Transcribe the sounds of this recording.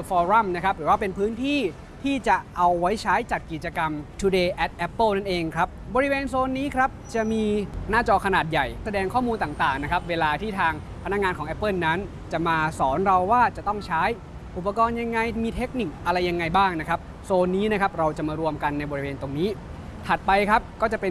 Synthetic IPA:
fɔː˧ɾa˥˩mna˦˥kʰa˦˥p̚ɾɯː˩˦waː˥˩pe˧npʰɯː˦˥nt̪ʰiː˥˩ | t̪ʰiː˥˩t͡ɕa˨˩ʔa˧wːa˦˥jt͡ɕʰaː˦˥jt͡ɕa˨˩t̪̚ki˨˩t̪̚t͡ɕa˧ka˧mt̪ʰu˧˩deː˧ʔɛ˦˥t̪̚ʔɛ˦˥pːəː˥˩na˥˩nʔeː˧ŋkʰɾa˦˥p̚bɔː˧ɾi˦˥weː˧nsoː˧nːiː˦˥kʰɾa˦˥p̚t͡ɕa˨˩miː˧naː˥˩t͡ɕɔː˧kʰa˧naː˨˩t̪̚ja˨˩jsa˧dɛː˧ŋkʰɔː˥˩muː˧nt̪aː˨˩ŋt̪aː˨˩ŋna˦˥kʰa˦˥p̚weː˧laː˧t̪ʰiː˥˩t̪ʰaː˧ŋ | pʰa˧na˦˥k̚ŋaː˧nkʰɔː˩˦ŋʔɛ˦˥pːɤ˥˩nːa˦˥n | t͡ɕa˨˩ʔmaː˧sɔː˩˦nɾa˧wːaː˥˩t͡ɕa˨˩t̪ɔ˥˩ŋt͡ɕʰaː˦˥j | ʔu˨˩pːa˧kɔː˧nja˧ŋːa˧jmiː˧t̪ʰe˦˥k̚ni˨˩k̚ʔa˧ɾa˧jːa˧ŋːa˧jbaː˥˩ŋna˦˥kʰɾa˦˥p̚ | soː˧nːiː˦˥na˦˥kʰa˦˥p̚ɾa˧wt͡ɕa˨˩maː˧ɾu˧əmka˧nːa˧jbɔː˧ɾi˦˥weː˧nt̪o˧ŋniː˦˥ | t̪ʰa˨˩t̪̚pa˧jkʰɾa˦˥p̚kɔː˥˩t͡ɕa˨˩pe˧

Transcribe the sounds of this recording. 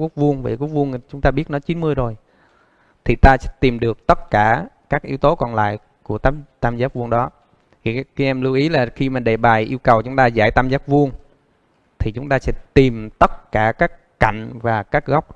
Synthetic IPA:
ku˦˥ək̚vu˧əŋvə̰ː˧˩ku˦ək̚vu˧əŋ˨t͡ɕʊ˨˦ŋ͡mt̪aː˧ɓi˦˥ət̚nɔ˨˦t͡ɕi˨˦nmɨ˧əjzo˨˩j | t̪ʰi˨˩t̪aː˧sɛ̰˧˦t̪i˨˩mɗɨ˨˩ək̚t̪ə˦˥t̚kaː˧˩kaː˦˥k̚ʔi˧əwt̪o˨˦kɔ˨˩nla̰ː˧˨j | ku˧˩ət̪a˧t̪aː˧mzaː˦˥p̚vu˧əŋɗɔ˨˦˨ | ki˧ʔɛ˧mlɨ˧wʔi˨˦laː˨˩xi˧maː˨˩ɗe˧˨˩ɓaː˨˩jʔi˧əwkə˨˩wt͡ɕʊ˨˦ŋ͡mt̪aː˧zaː˧˩jt̪aː˧mzaː˦˥p̚vu˧əŋ | t̪ʰi˨˩t͡ɕʊ˨˦ŋ͡mt̪aː˧sɛ̰˧˥t̪i˨˩mt̪ə˦˥t̚kaː˧˩kaː˦˥k̚ | ka̰˧˨jŋ̟vaː˨˩kaː˦˥k̚ɣa˦˥wk͡p̚

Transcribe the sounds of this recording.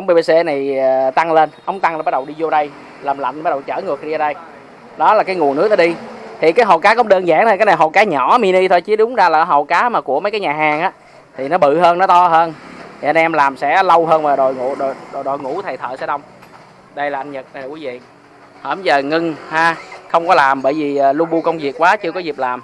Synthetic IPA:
ʔə˧˦ŋ͡mɓe˧ɓe˧se˧na˨˩jə˨˩t̪a˧ŋle˧nʔə˧˦wŋ͡mt̪a˧ŋlaː˨˩ɓa˦ɗə˨˩wɗi˧zo˧ɗə˧j | laː˨˩mla̰˧˨˩nɓaː˧˦˥ɗə˨˩wt͡ɕə̰ː˧˩ŋɨ˨˩ək̚ɗi˧ɗə˧j | ɗɔ˨˦laː˨˩kaː˨˦jŋu˨˩ənɨ˦˥ək̚nɔ˨˦i˧t̪ʰi˨˩kaː˨˦jɦo̰˧˩kaː˨˦kɔ˧˦ŋ͡mɗəː˧nza̰ː˧˩ŋt̪ʰːkaː˨˦jna˨˩ɦo̰˨˩wkaː˨˦ɲɔ˧˩˦mi˧ni˧t̪ʰo˧jt͡ɕi˨˦ɗʊ˨˦ŋ͡mzaː˧laː˨˩˨ɦə̰˨˩˨kaː˨˦maː˨˩ku˧˩əmə˨˦jkaː˨˦jɲaː˨˩ɦaː˨˩ŋʔaː˨˦ | t̪ʰi˨˩nɔ˨˦ɓɨ̰˧˨ɦəː˧nːɔ˨˦t̪ɔ˧ɦəː˧nt̪ʰi˨˩ʔə˧nʔɛ˧mlaː˨˩msɛ̰˧˥lə˧wɦəː˧nvaː˨˩ɗo˨˩jŋ˧˨ɗo˨˩jɗo˨˩jɗo˨jŋṵ˧˩˥t̪ʰa˨˩jt̪ʰə̰ː˧˨˩sɛ̰˧˥ɗə˧wŋ͡m | ɗə˧jlaː˨˩ʔa˧jnɲə˨˩t̚ːkwi˨˦vḭ˧˨ | həː˧˩m˦˩zəː˨˩ŋɨ˧ŋhaː˧xə˧wŋ͡mkɔ˨˦laː˨˩mɓəː˧˩jvi˨˩ʔəː˨˩lu˧ɓu˧kə˧wŋ͡mvi˨˩əkːwaː˨˦t͡ɕɨ˧kɔ˨˦zi˨˩p̚laː˨˩m

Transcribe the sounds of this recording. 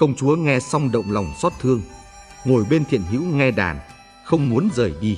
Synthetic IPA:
kə˧wŋ͡mt͡ɕu˨˦əŋɛ˧sa˧wŋ͡mɗə̰˧˨wŋ͡mla˨˩wŋ͡msɔ˦˥t̚t̪ʰɨ˧əŋ | ŋo˨˩jɓe˧nt̪ʰḭ˧˨ənɦḭ˧˥wŋɛ˧ɗa̰ː˧˩n | xə˧wŋ͡mmu˨˦ənzəː˨˩jɗi˧

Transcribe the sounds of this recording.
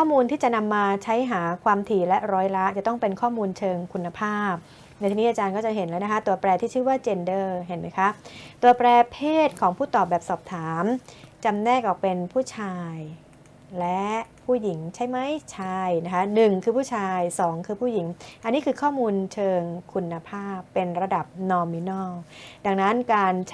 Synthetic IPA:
kʰɔː˥˩muː˧nt̪ʰiː˥˩t͡ɕa˨˩na˧mːaː˧t͡ɕʰa˦˥jɦaː˩˦kʰwaː˧mt̪ʰiː˨˩lɛ˦˥ʔɾɔː˦˥jɾa˦˥t͡ɕa˨˩t̪ɔ˥˩ŋpe˧nkʰɔː˥˩muː˧nt͡ɕʰɤː˧ŋkʰu˧nːa˧pʰaː˥˩p̚ | na˧j̪t̪ʰiː˧ni˦˥ʔa˧t͡ɕaː˧nkɔ˥˩t͡ɕa˨˩ɦe˩˦nlɛː˦˥na˦˥kʰa˦˥t̪u˧ɐpɾɛː˧t̪ʰiː˥˩t͡ɕʰɯː˥˩waː˥˩t͡ɕe˧ndɤː˥˩ɦe˩˦nma˦˥jkʰa˦˥t̪u˧˩ɐpɾɛː˧pʰeː˥˩t̪̚kʰɔː˩˦ŋpʰuː˥˩t̪ɔː˨˩p̚bɛː˨˩p̚sɔː˨˩p̚t̪ʰaː˩˦mt͡ɕa˧mnɛː˥˩kʔɔː˨˩pe˧npʰuː˥˩t͡ɕʰaː˧j | lɛ˦˥pʰuː˥˩ji˩˦ŋt͡ɕʰa˦˥˩jma˦˥jt͡ɕʰa˧˥˩jna˦˥kʰa˦˥nɯ˨˩ŋkʰɯː˧pʰuː˥˩t͡ɕʰaː˧jsɔː˩˦ŋkʰɯː˧pʰuː˥˩ji˩˦ŋʔa˧nːiː˦˥kʰɯː˧kʰɔː˥˩muː˧nt͡ɕʰɤː˧ŋkʰu˧nːa˧pʰaː˥˩pːe˧nɾa˧da˨˩p̚nɔː˧mi˧nɔː˥˩da˧ŋna˦˥nkaː˧nt͡ɕ

